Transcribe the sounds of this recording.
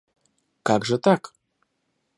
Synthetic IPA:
kaɡʐɛt̪ak

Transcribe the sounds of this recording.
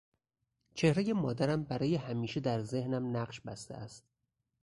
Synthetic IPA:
t͡ʃʰe̞hɾeje̞mɒːd̪æɾæmbæɾɒːje̞hæmiːʃe̞d̪æɾze̞hnæmnæɢʃbæst̪ḛæst̪̚

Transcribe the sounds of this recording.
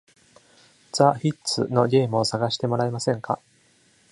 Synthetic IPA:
d͡zaçitːt͡sɨ̰no̞ɡʲe̞ːmɯ̟o̞saɡaɕi̥t̪e̞mo̞ɾaemasẽ̞ŋkʰa̰

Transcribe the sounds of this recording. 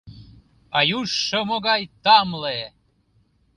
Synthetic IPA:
ɑjuʃːomoɣɑjt̪ɑmle

